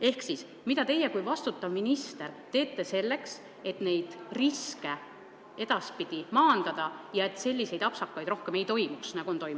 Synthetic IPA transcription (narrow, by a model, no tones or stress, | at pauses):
e̞hksis | mid̪ɑt̪e̞jekujvɑst̪ut̪ːˑɑvminist̪e̞ɾt̪e̞ːt̪ːˑe̞se̞lːe̞ks | e̞t̪ne̞jd̪̥riske̞ | e̞d̪̥ɑspid̪̥imɑːnd̪̥ɑd̪̥ɑjɑe̞t̪ːˑse̞lʲːise̞jd̪ɑpsɑkːɑjd̪ɾo̞hkeme̞jt̪o̞jmuksnɑɡ̥uo̞nt̪o̞jmu